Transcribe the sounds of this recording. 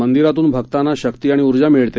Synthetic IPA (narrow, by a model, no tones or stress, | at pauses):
ənd̪iɾat̪uːnbʱəkt̪anːaɕəkt̪iːaɽ̃iuɾd͡ʑamiɭt̪e